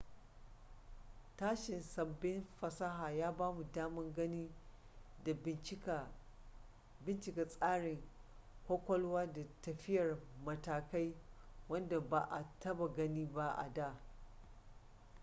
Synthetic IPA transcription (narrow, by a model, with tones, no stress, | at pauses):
taː˦ʃɪ˨nsɐ˨bːɪ˦nɸɐ˦sa˦ɦaː˨jaː˦baː˦mu˨daː˦mɪ˦ŋɡɐ˦niː˦˨˦ | bɪ˦nt͡ʃɪ˨ka˨sʼaː˦ɽɪ˨ŋ | hʷo˦kʷɐ˦lwaː˦da˨tɐ˨ɸɪ˦jɐ˨rmɐ˨taː˨ka˦jwɐ˦nda˨ba˨ʔa˨tʰɐ˦ba˨ɡɐ˦niː˦ba˦ʔa̰˨daː˦˨